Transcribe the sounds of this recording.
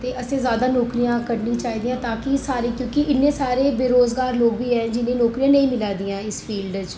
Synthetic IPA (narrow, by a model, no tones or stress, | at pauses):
t̪eːʔəsẽːzjaːd̪aːnɔːkɾijãːkəɾnĩːt͡ʃaːɦiːd̪ijãːt̪aːkisaːɾiːkjõːkɪʔɪnːẽːsaːɾeːbeːɾoːzɡaːɾloːɡ̚biːɦɛ̃ːd͡ʒɪnẽːnɔːkɾijãːnəĩmɪlaːd̪iːãːɪsfʰiːlɖd͡ʒ